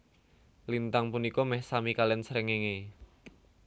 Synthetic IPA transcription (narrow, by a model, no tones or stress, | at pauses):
lint̪aŋpunikɔmɛhsamikalɛnsɾəŋeŋe